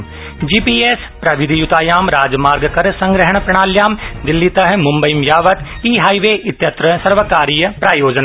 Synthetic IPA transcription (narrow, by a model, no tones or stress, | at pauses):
d͡ʒiːpiːeːs | pɾɐʋɪd̪ʱijut̪aːjaːmɾaːd͡ʒmaːɾɡkɐɾsɐ̃ŋɡɾɪɦəɽ̃pɾɐɳ̃aːljaːmd̪ɪlːit̪ɐɦmʊ̃mbɐimjaːʋɐt̪ | iːɦaːiʋeːʔɪt̪jɐt̪ɾəsɐɾʋəkaːɾiːjpɾaːjoːd͡ʒna